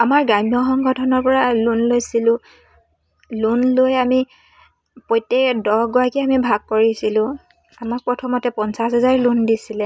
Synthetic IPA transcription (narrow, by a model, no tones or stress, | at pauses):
amaɹɡajmijɔxɔŋɡɔtʰɔnɔɹpɔɹalunlojsilʊ̃ | lunlojami | pɔjtːɛdɔɡɔakiamibʱaɡ̚koɹisilʊ̃ | amak̚pɹɔtʰɔmɔtɛpɔnsasɦɛzaɹlundisilɛ